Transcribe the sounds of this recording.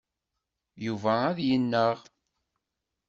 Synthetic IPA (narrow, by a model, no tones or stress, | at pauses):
juvææðjənːəʁ